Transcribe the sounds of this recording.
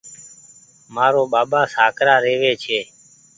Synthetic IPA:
maːɾoːɓaːɓaːsaːkɾaːɾeːʋeːt͡ʃʰeː

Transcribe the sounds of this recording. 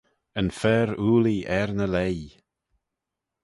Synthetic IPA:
ənfɛːɾuːliʔɛɹnəlej

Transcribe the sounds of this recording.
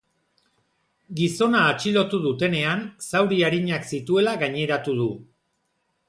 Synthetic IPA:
ɡiso̞naːt͡ʃilo̞t̪uðut̪e̞ne̞ansawɾiaɾiɲaksit̪ue̞laɣaɲe̞ɾat̪uð̞u

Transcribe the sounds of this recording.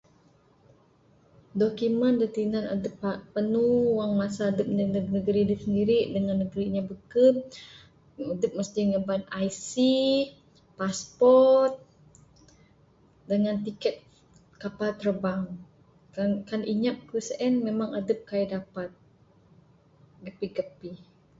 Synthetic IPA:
dokiməndət̪inana̰dəpapənuwaŋmasaːdəp̚nəəɡnəɡəɾidisəndiɾiʔdəŋanːəɡəɾiɲabəkət | adəp̚məsdɪɲəbanajsi | paspɔrt̪̚ | dəŋant̪ikɛt̪̚ | kapat̪əɾəbaŋ | kankanʔiɲap̚kəsʔɛnmemaŋadəp̚kajidapat̪̚ | ɡəpiɡəpi

